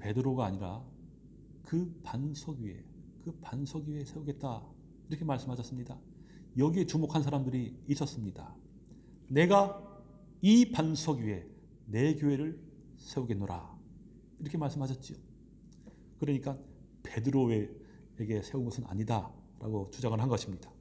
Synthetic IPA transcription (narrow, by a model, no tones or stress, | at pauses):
pe̞dɯɾoɡaːɲiɾa | kɯpansʰʌɡie̞̰kɯpansʰʌɡiiesʰe̞uɡe̞t̚t͈a | iɾʌkʰe̞maɭs͈ɯmɦaɕʰʌs͈ɯmɲida | jʌɡie̞t͡ɕumokʰans̬ʰaɾamdɯɾiːs͈ʌs͈ɯmɲida̰ | ne̞ɡa | ipansʰʌɡiie̞ | ne̞kjoe̞ɾɯɭ | sʰe̞uɡe̞nːoɾa̰ | iɾʌkʰe̞maɭs͈ɯmhaɕʰʌt̚t͡ɕ͈io | kɯɾʌɲik͈an | pe̞dɯɾoeː | ɡe̞sʰe̞unɡʌsʰɯna̰ɲida | ɾa̰ɡot͡ɕud͡ʑaŋɯɭɦanɡʌɕʰimɲid̥ḁ